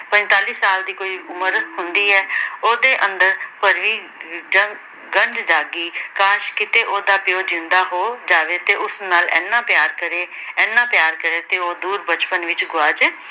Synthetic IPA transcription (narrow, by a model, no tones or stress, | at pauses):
pə̃nt̪aːliːsaːld̪iːkoːiːʊməɾhʊnd̪iːɛːoːd̪eːʔə̃nd̪əɾpəɾʋiː | ə | ɡəɳɖd͡ʒaːɡiːkaːʃkɪt̪eːʔoːd̪aːpɪjoːd͡ʒɪnd̪aːɦoːd͡ʒaːʋeːt̪eːʔʊsnaːlɛ̰ːnːaːpjaːɾkəɾeːɛːnːãːpjaːɾkəɾeːt̪eːoːd̪uːɾbət͡ʃpənʋɪt͡ʃɡʊaːd͡ʒeː